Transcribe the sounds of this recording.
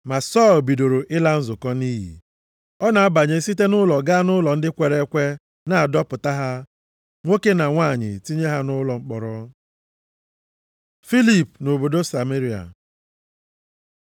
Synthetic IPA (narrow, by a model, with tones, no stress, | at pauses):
ma˨sɔ˦˨lbi˨do˨ɾo˨ʔɪ˦la˦n̩˦zʊ˨kɔ˦ni˦ɦḭ˨ | ɔ˦na˨a˦ba˨ɲe˨˦si˦te˦nʊ˦lɔ˨ɡa˦a˦nʊ˦lɔ˨n̩˦dɪ˦kʷe˨ɾe˦kʷe˦ | na˨a˨dɔ˦pʊ˨ta˦ɦa˦ | ŋʷo˦ke˦na˨ŋʷaː˦˨ɲɪ̰˨ti˦ɲe˦ɦa˦nʊ˦lɔ˨ŋ͡m̩˦k͡pɔ˨ɾɔ˦ | fi˦li˨pno˨bo˨do˦sa˨me˦ɾi˨a̰˨